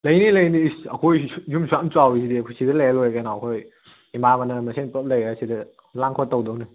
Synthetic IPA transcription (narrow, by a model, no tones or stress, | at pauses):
lɐjnilɐjniɐ̰kʰojjumsʰuamt͡ʃuawisʰidiɐkʰojsʰidɐlajlojkajnɔɐkʰoj | imabɐnɐmɐsʰenpəp̚lɐjasidɐ | laŋkʰɔtːowdowni